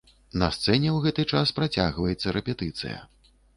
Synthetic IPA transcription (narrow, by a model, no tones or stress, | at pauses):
nɐst̪sɛnʲɛwɣɛt̪ɨt͡ʂaspɾat͡sʲa̰ɣvɐjɛt̪sːɐɾɛpʲɛt̪ɨt̪sɨ̰jɐ̰